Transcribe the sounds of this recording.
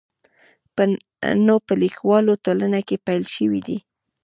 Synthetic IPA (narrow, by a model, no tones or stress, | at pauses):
pə | nopəlikwɑlotolanakepajlʃəwid̪i